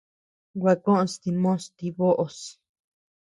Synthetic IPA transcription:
ɡʷa˧kõ˦ʔõ˧st̪i˧mõ˦st̪i˧βo˦ʔo˧s

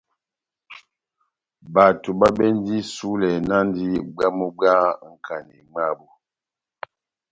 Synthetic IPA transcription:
ba˨tu˨ba˦bɛ˦n˦di˦su˦lɛ˨na˦n˦di˦ɡ͡ba˦mu˦ɡ͡ba˦ŋ̩˦˨kʰa˨nḭ˨ŋ͡ma˦˨bu˦

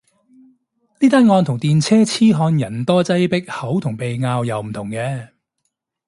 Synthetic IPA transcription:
niː˥t̪aː˥nŋɔː˧nt̪ʰʊ˨˩ŋt̪iː˨nt͡sʰɛː˥t͡sʰiː˥ɦɔː˧njɐ˨˩nt̪ɔː˥t͡sɐ˥jpɪ˥k̚hɐ˨˥wt̪ʰʊ˨˩ŋpe˨jŋaː˧wjɐ˨wm̩˨˩t̪ʰʊ˨˩ŋkɛː˧

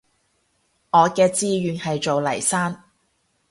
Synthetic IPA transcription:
ŋɔː˨˧kɛː˧t͡siː˧jyː˨˧nhɐ˨jt͡ʃo˨wlɐ̰˨˩jsaː˥n

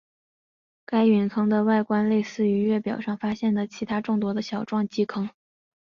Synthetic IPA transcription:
ka˥ɪɥy˧˥nkʰɤ˥ŋd̪ə˨wa˥˩ɪkwa˥nle˥˧ɪsɹ̩˥˩y˧˥ɥɛ˥˩pjɑ˨˩ʊʂɑ˥˩ŋfa˥ɕjɛ˥˩nd̪ə˩t͡ɕʰi˧˥t̪ʰa˥ʈ͡ʂʊ˥˩ŋt̪wɔ˥d̪ə˧ɕjɑ˨˩ʊʈ͡ʂwɑ˥˩ŋt͡ɕi˥kʰɤ˥ŋ

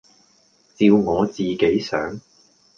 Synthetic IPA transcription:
t͡siː˧wŋɔː˨˧t͡siː˨ke˨˥jsœ̰ː˨˥ŋ

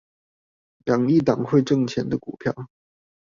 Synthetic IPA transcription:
ljɑ˨˩ŋi˥˩t̪ɑ˨˩ŋxwe˥˧ɪʈ͡ʂɤ˥˧ŋt͡ɕʰjɛ˧˥nd̪ə˧ku˨˩pʰjɑ˥˩ʊ

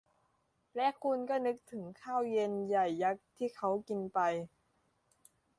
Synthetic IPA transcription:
lɛ˦˥kʰu˧nkɔː˥˩nɯ˦˥k̚t̪ʰɯ˩˦ŋkʰaː˥˩wje˧nja˨˩jːa˦˥k̚t̪ʰiː˥˩kʰa˦˥wki˧npa˧j

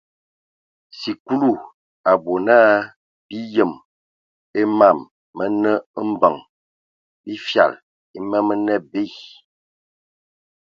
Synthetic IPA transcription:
si˨ku˦lu˦˨ | a˨bo˨na˦ | b̥i˦jə˨m | e˦ma˦˨mː | ə˦nə˦m̩˦bə˨ŋ | bi˦fja̰˨l | i˦mə˦mə˦nɛ˦˨be˦˨

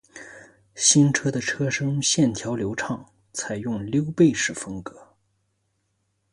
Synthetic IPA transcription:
ɕi˥nʈ͡ʂʰɤ˥d̪ə˨ʈ͡ʂʰɤ˥ʂɤ˥ŋɕjɛ˥˩nt̪ʰjɑ˧˥ʊljo˧˥ʊʈ͡ʂʰɑ˥˩ŋ | t͡sʰa˨˩ɪjʊ˥˩ŋljo˥ʊpe˥˧ɪʂɻ̩˥˩fɤ˥ŋkɤ˧˥˦

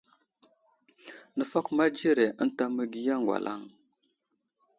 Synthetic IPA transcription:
nə˨fa˦kma˦d͡ʒi˦ɾe˨ʔə˦n˦ta˦mə˦ɡi˦ja˦ŋɡwa̰˨lʔa̰˦˨ŋ

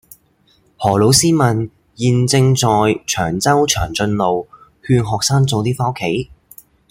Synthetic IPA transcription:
hɔː˨˩lo˨˥wsiː˥mɐ˨n | jiː˨nt͡sɪ˧ŋt͡sɔː˨jt͡ʃʰœː˨˩ŋt͡sɐ˥wt͡ʃʰœː˨˩ŋt͡sɵ˧nlo˨w | hyː˧nɦɔː˨k̚saː˥ŋt͡so˨wt̪iː˥faː˥wkʰe˨˥j

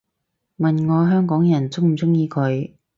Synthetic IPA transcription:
mɐ˨nŋɔː˨˧ɦœː˥ŋkɔː˨˥ŋjɐ˨˩nt͡sʊ˥ŋm̩˨˩t͡sʊ˥ŋjiː˧kʰɵ˨˧ɥ

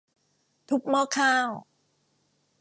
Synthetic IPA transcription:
t̪ʰu˦˥k̚mɔː˥˩kʰaː˥˩w

